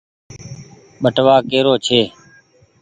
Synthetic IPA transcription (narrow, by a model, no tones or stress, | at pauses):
ɓəʈʋaːkeːɾoːt͡ʃʰeː